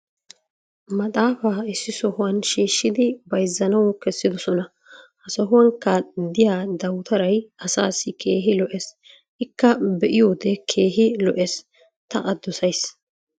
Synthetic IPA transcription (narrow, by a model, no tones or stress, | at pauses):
mɐt̪ʼaːfaːɪsːɪsɔhʊwɐnʃiːʃːɪd̪ɪbɐjzːɐnɐwɔkɛsːɪd̪ɔsɔnɐ | hɐsɔɦʊwɐŋkːɐd̪ɪjaːd̪ɐwt̪ʰɐɾɐjɐsaːsːɪkʰe̞ːɦɪlɔʔeːs | ʔɪkːɐbɛʔɪjoːd̪ɛkʰe̞ːɦɪlɔʔeːs | t̪ɐʔɐd̪ːɔsɐjs